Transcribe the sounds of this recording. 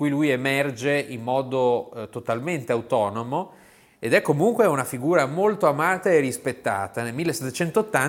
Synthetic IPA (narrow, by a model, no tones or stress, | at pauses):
kujlujemɛrd͡ʒeimːɔːd̪ot̪ot̪alment̪eawt̪ɔːnomo | ed̪ɛkːomuŋkweunafiɡuːɾamolt̪oamaːt̪aerispet̪ːa̰ːt̪anelmilːeset̪ːet͡ʃɛnt̪oːt̪ːan